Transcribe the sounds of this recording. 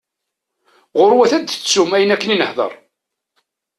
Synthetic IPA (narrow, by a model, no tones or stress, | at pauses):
ʁʊɾwæθæd̪θət͡sːumæjənækːəninəhðˤə̰ɾˤ